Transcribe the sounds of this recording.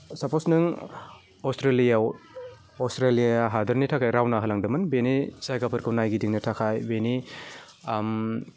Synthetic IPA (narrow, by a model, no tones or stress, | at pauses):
saposnɯŋ | ɔstʰɾelijaw | ɔstɾelijaaɦadɐɾnitʰakʰajɾawnaɦɯlaŋdɯmɯnbenizajɡapuɾkʰɯwnajɡidiŋnɐtʰakʰajbeni | m